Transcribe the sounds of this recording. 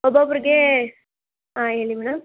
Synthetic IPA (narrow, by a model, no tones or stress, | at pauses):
ɔbapuɾɡe | aeːɭimɛːɽɐm